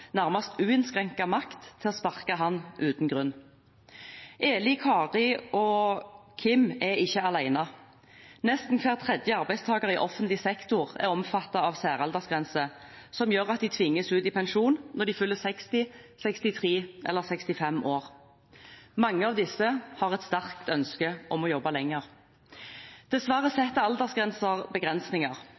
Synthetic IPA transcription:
næʁmɑst̪ʉːɪnskʁɛŋkɑmɑkt̪ʰːɪlɔspɑʁkɑɦɑnːʔʉːt̪n̩ɡʁʉnː | ʔeːlɪkʰɑːʁɪʔɔkʰɪmɛɪçːəɑlæɪnɑ | nɛst̪n̩kʰʋɛlt̪ʰʁɛd̪jəɑʁbæɪst̪ʰɑːɡəʁɪʔɔfənt̪lɪsɛkt̪ʊʁɛ̰ʁɔmfɑt̪ːɑɑʋsæːʁɑld̪əsɡʁɛnsəsɔmjøːʁɑt̪̚d̪ɪt̪ʰʋɪŋːəsʉːt̪ɪpʰɛnʃuːnnɔʁd̪ɪfʉlːəsɛkst̪ɪ | sɛkst̪ɪt̪ʰʁiːʔɛ̰lːəʁsɛkst̪ɪfɛmʔoːʁ | mɑŋːəɑʋd̪ɪsːəhɑʁɛt̪st̪æʁkt̪œnskəʔɔmɔjɔbːɑlɛŋːəʁ | d̪̥ɛsʋæʁəsɛt̪ːəɑld̪əsɡʁɛnsəʁbəɡʁɛnsnɪŋɑʁ

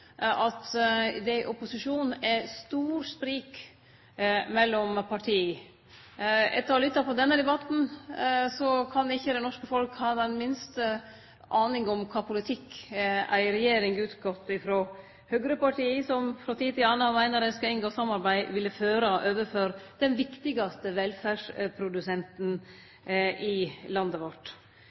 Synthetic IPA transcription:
ʔɑt̪d̪ɛʔɔpʊsɪʂuːnɛst̪uːɾspɾiːk | mɛlːɔmpʰɑʈʰiː | ɛ̰t̪ːəɾɔlʏt̪ːɑpʰɔd̪ɛnːəd̪ɛbɑt̪n̩sɔkʰɑnɪçːəd̪ɛnɔʂkəfɔlkhɑːd̪ɛnmɪnst̪ə | ʔɑːnɪŋɔmkʰɑːpʰʊlɪt̪ʰɪkːæ̰ɪɾɛjeːɾɪŋʉːt̪ɡɔt̪ːɪfɾo | hœɡɾəpɑʈʰiːəsɔmfɾɔt̪ʰiːt̪ɪlɑːnɑmæɪnəɾɛskɑɪnɡoːsɑmːɑɾbæɪʋɪlːəføːɾəʔøːʋəføɾd̪̥ɛnʋɪkt̪ɪɡɑst̪əʋɛlfæʂpʰɾʊd̪ʉsɛnt̪n̩ | ʔɪlɑnd̪əʋɔʈ

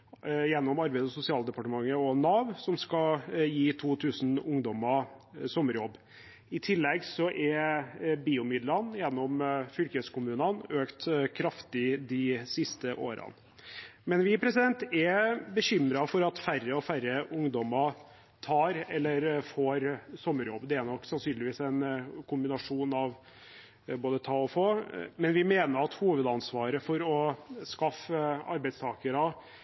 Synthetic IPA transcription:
jɛnːɔmɑɾbæɪd̪əɔsʊsɪɑːld̪əpɑʈəmɑŋːəɔnɑːʋsɔmskɑljiːt̪ʰuːt̪ʰʉːsn̩ʊŋd̪ɔməsɔmːəɾjɔbː | ɪt̪ʰɪlːɛɡsɔʔɛɾbiːʊmɪd̪lənjɛnːɔmfʏlkəskʊmʉːnənøːkt̪kʰɾɑft̪ɪd̪ɪsɪst̪əʔo̰ːɾɑ̰n | mɛnʋɪpʰɾɛsɪd̪ɛnt̪ɛbəɕʏmɾɑfɔɾɑt̪færːəɔfæɾəʔʊŋd̪ɔmɑ | t̪ʰɑːɾɛlːəɾfoːɾsɔmːəɾjɔbːd̪ɛæɾnɔkːsɑnsyːnlɪʋiːsɛɪnkʰʊmbɪnɑʂuːnɑʋ | boːd̪ət̪ʰɑːɔfoːmɛnʋɪmeːnəɾɑt̪huːʋəd̪ɑnsʋɑːɾəfɔɾɔskɑfɑ̰ɾbɛɪst̪ʰɑːkəɾɑ

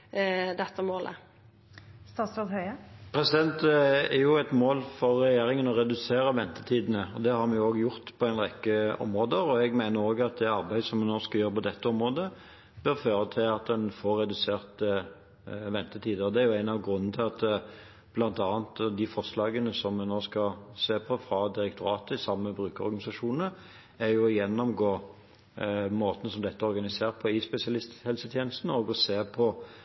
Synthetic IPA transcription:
d̪ɛt̪ːəmoːlʔə̰ | st̪ɑːt̪sʋɛd̪hœʏəpʰɾɛsɪd̪ɛnt̪æɾjʊæt̪moːlfɔʁːɛjeːɾɪŋənɔɾɛd̪ʉseːɾəʋɛnt̪ə̥t̪ʰiːd̪ən̩əɔd̪ɛhɑɾmɛnjʊoːɡjʊʁt̪pʰɔæɪnʁɛkːəɔ̰mʁoːd̪əɾɔɛɡmæɪnəɾoːɡɑt̪̚d̪ɛɑʁbæɪd̪sɔmɛnoːskɑljøːɾpʰɔd̪ɛt̪ːəɔmʁoːd̪ə | b̥œʁføːʁət̪ʰɪlɑt̪̚d̪ɛnfoːɾːɛd̪ʉseːʁt̪ | ʋɛnt̪ət̪ʰiːd̪əɔd̪ɛæʁjʊæɪnɑʋɡʁʉnːn̩t̪ʰɪlɑt̪ | b̥lɑnt̪ɑːnt̪d̪ɪfɔʁʂlɑːɡənəsɔmːɛnoːskɑseːpʰɔfɾɑd̪ɪɾɛkt̪ʰʊɾɑːt̪əɪsɑmːəbʁʉːkəɔ̰ʁɡɑnɪsɑʂuːnə | æɾjʊɔjɛnːɔmɡoː | moːt̪nəsɔmd̪ɛt̪ːəɔʁɡɑnɪseːʁəpʰɔɪspɛsɪɑlɪst̪hɛlsət̪ʰjeːnəst̪nəɔɡɔseːpʰɔ

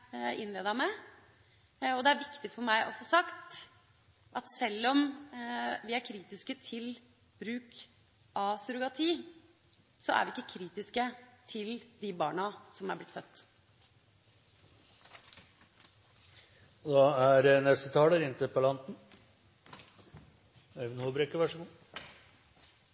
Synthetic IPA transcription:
ʔɪ̰nleːd̪ɑmɛ | ɔd̪ɛæɾʋɪkt̪ɪfɔɾmæɪʔɔfoːsɑkt̪ | ʔɑt̪sɛlːɔm | ʋɪæɾkʰɾiːt̪ɪskət̪ʰɪl | b̥ɾʉːk | ʔɑsʉɾʊɡɑt̪ʰiː | sɔʔæ̰ɾʋɪɪkːəkʰɾiːt̪ɪskət̪ʰɪld̪ɪbɑːɳɑsɔmæɾblɪt̪fœt̪ː | d̪ɑːæɾnɛst̪ət̪ʰɑːləɾɪnt̪əpɔlɑnt̪n | ɛʋnoːbɾeːkəʋæʂəɡuː

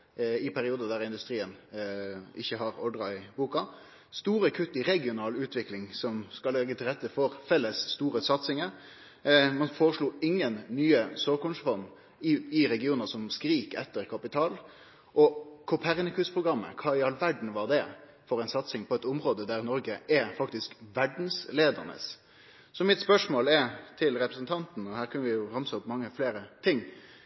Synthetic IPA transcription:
ɪpʰæɾɪuːd̪əd̪æɾɪnd̪ʉst̪ɾiːən | ʔɪçːəɦɑɾɔɖʁɑɪbuːkɑ | st̪uːɾəkʰʉt̪ːɪɾɛɡɪʊnɑːlʉːt̪ʰʋɪklɪŋsɔmskɑlɛɡət̪ʰɪlʁɛt̪ːəfɔɾfɛlːəsːt̪uːɾəsɑt̪sɪŋəɾ | mɑnfoːɾəʂluːɪŋːənːyːəsoːkʊnsfɔnː | ɪɪɾɛɡɪuːnəsɔmskɾiːkɛ̰t̪ːəɾkʰɑpɪt̪ʰɑːl | ʔɔkʰʊpʰæɾnɪkʉspʰɾʊɡɾɑmːə̰kʰɑːɪɑlʋæɖɳ̩ʋɑʁd̪ɛ | fɔɾɛɪnsɑt̪sɪŋpʰɔɛt̪ʊmʁoːd̪əd̪æɾnɔɾɡəʔɛfɑkt̪ɪskʋæɖn̩sleːd̪ə̰ɾnə̰s | sɔmɪt̪spœʂmoːlɛɾt̪ʰɪlɾɛpɾəsnt̪ʰɑnt̪n̩ɔhæːɾkʰʉnəʋɪjʊhɑmsəʊpmɑŋːəfleːɾət̪ʰɪŋː

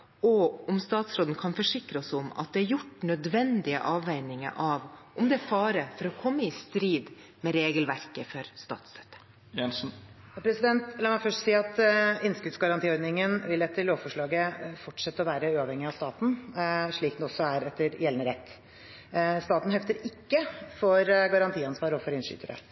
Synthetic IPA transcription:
ɔʊmst̪ɑːt̪sɾoːd̪n̩kʰɑnfɔʂɪkɾəɔsʊmɑ̰t̪̚d̪ɛæɾjʊʈːnœd̪ʋɛnd̪ɪə̰ʔɑːʋæɪnɪŋə̰ʔɑʋʔʊmd̪ɛfɑːɾəfɔɾɔkʰɔmːəɪst̪ɾiːd̪ | mɛɾeːɡəlʋæɾkəfɔɾst̪ɑ̰ːt̪sɾœt̪ːə̥ | jɛnsn̩ | jɑpʰɾɛsɪd̪ɛnt̪lɑːmɛɪfœʂʈsiːɑt̪ɪnskʉt̪sɡɑɾɑnt̪iːɔɾd̪nɪŋənʋɪlɛt̪ːəɾloːʋfɔʂɭɑːɡəfɔʈʂɛt̪ːəɔʋæːɾəʉːɑʋhɛŋːɪɑʋst̪ɑːt̪n̩ʂɭiːk̪d̪ɛɔsːɔæɾɛt̪ːəɾjɛlnəɾɛt̪ː | st̪ɑːt̪n̩hɛft̪əɾɪkːəfɔɾɡɑɾɑnt̪ʰiːɑnsʋɑːɾɔfɔɾɪnʂy̰ːt̪əɾə̰

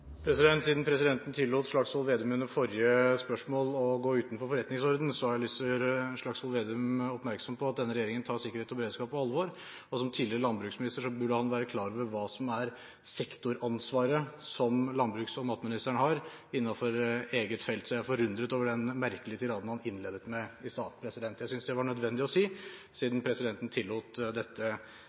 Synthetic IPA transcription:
pʰɾɛsɪd̪ɛnt̪siːd̪npʰɾɛsɪd̪ɛnt̪ən̩t̪ʰɪlːuːt̪ʂɭɑksɔlʋeːd̪ʉmʉnːəɾfɔɾɪəspœʂmoːlɔɡoːʉːt̪nfɔɾfɔɾɛt̪nɪŋsɔɾd̪n̩sɔɑlɪsɾəɛnʂɭɑkshɔlʋeːd̪ʉmɔpmæɾksɔmpʰɔɑt̪̚d̪ɛnːəɾɛjeːɾɪŋənt̪ʰɑːsɪkːəɾheːt̪ɔbəɾeːd̪skɑːpɔɑlʋoɾ | ɔsɔmt̪ʰiːd̪lɪɾəlɑnbɾʉːksmɪnɪst̪əʂɔbʉɖəhɑnʋæːɾəkʰlɑːɾʋəʋɑːsɔmæɾ | sɛkt̪ʊɾɑnsʋɑːɾəsɔmlɑnbɾʉːksɔmɑt̪mɪnɪst̪əæɳhɑɾ | ɪnːɑfɔɾeːɡət̪fɛlt̪sɔjææɾfɔɾʉnd̪ɾət̪oːʋəɖɛnmæɾkəlɪət̪ɪɾɑːd̪ən̩hɑnɪnːleːd̪ət̪mɛɪst̪ɑːt̪pʰɾɛsɪd̪ɛnt̪jæɪsʏnsd̪ɛʋɑɳœd̪ʋɛnd̪ɪɔsiːsiːd̪n̩pʰɾɛsɪd̪ɛnt̪ənt̪ʰɪlːuːt̪d̪ɛt̪ːə

